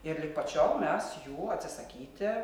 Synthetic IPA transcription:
ɪɾlʲɪk̚pɐt͡ʃʲɛʊmʲɛsjuːɐt̪ʲsʲɪsɐkʲiːt̪ʲɪ

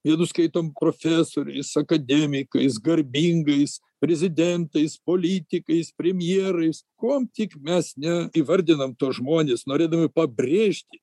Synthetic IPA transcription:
jɛnʊskɐɪt̪oːmpɾoːfʲæsoːɾʲɛ̰ɪsɐkɐd̪ʲɛmʲɪkɐɪsɡɐɾʲbʲiːŋɡɐɪs | pʲɾʲɛzʲɪd̪ʲɛnt̪ɐɪspoːlʲiːt̪ʲɪkɐɪspʲɾʲɛmʲjeːɾɐɪskuɔmt̪ʲɪkmʲɛsnʲɛiʋɐɾʲd̪ʲɪnɐmt̪oːsʒmoːnʲeːsnoːɾʲeːd̪ɐmʲɪpɐbʲɾʲeːʃʲt̪ʲɪ

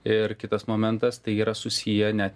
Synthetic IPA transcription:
ɪɾkʲɪt̪ɐsmoːmʲɛnt̪ɐst̪ɐɪiːɾɐsʊsʲijɛnʲæt̪ʲ

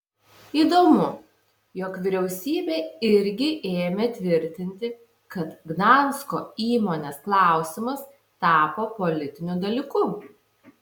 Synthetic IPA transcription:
iːd̪oːmʊ | joːkʋʲɪɾʲɛʊsʲiːbʲeːɪɾʲɡʲɪʔeːmʲɛt̪ʲʋʲɪɾʲt̪ʲɪnʲt̪ʲɪ | kɐt̪ɡnɑnskoːiːmoːnʲeːsklˠɑˑʊsʲɪmɐs | t̪ɑːpoːpɔlʲɪt̪ʲɪnʲud̪ɐlʲiːkʊ

